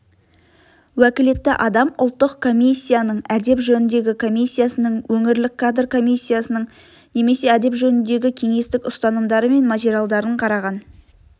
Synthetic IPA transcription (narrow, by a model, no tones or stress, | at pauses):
wækʲɪle̞t̪ːɪʔɑd̪ɑmʊ̰lˠt̪ːəqkʰo̞mʲisʲːijanəɴæd̪e̞pʒɵnɪnd̪e̞ɡʲɪkʰo̞mʲijsʲːijasənəɴwɵŋɪɾlɪkʰːad̪rkʰo̞mʲijsʲːijasənəɴ | ne̞me̞se̞æd̪e̞pʒɵnɪnd̪e̞ɡʲɪkʲʰe̞ŋe̞st̪ɪkʊst̪ɑnəmd̪ɑɾəme̞nmat̪ʲeɾʲijalˠd̪ɑɾəɴqʰɑɾɑʁɑn